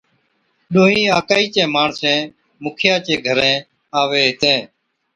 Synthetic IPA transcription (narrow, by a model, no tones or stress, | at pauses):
ɗõːɦĩːaːkaːiːt͡ʃẽːmaːɳsɛ̃ː | mʊːkʰjãːt͡ʃẽːɡʱəɾẽː | aːʋeːɦɪt̪ẽː